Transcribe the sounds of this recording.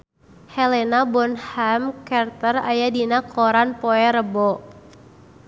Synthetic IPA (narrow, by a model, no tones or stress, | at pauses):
hɛlɛnabɔnhamkɛrt̪ərajadinakʰɔɾanpɔɛɾəbɔ